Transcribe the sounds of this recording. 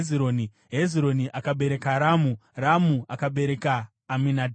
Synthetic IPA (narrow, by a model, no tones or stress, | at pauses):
ziɾoni | ɦeziɾoniʔakaɓe̞ɾe̞kaɾamuramuʔakaɓe̞ɾe̞kaː | minadʱ